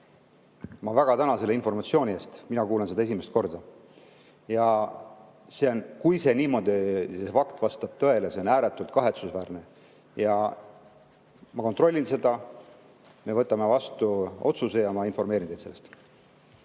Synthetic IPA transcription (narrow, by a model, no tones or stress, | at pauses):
mɑvæɡ̥ɑt̪ænɑse̞leinfo̞rmɑt̪sio̞ːnʲie̞ːst̪minɑkuːlense̥ɑe̞sime̞st̪̚ko̞rd̪̥ɑ | jɑ | se̞o̞nkujse̞niːmo̞d̪isesfɑkt̪vɑst̪ɑb̥̚t̪ɤ̞e̞lese̞o̞næːɾet̪ːˑult̪̚ˑkɑɦe̞t̪susvæːrne̞ | jɑ | mɑko̞nt̪ro̞lʲːinse̞d̪ɑ | me̞vɤt̪ːˑɑme̞vɑst̪uo̞t̪suse̞jɑmɑinfo̞rme̞ːɾind̪edt̪se̞lːest̪